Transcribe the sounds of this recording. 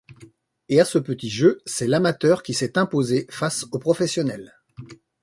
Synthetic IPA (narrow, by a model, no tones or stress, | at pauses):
easəpət̪iʒøsɛlamat̪œʁkʲisɛt̪ɛ̃pozefasopχɔfɛsjɔnɛl